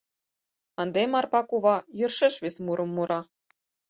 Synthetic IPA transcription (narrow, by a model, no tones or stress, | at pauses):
ɑnd̪emɑrpɑkuβɑjɤrʃɘ̆ʃʋʲesmuɾʔɤ̆mːuɾʔɑ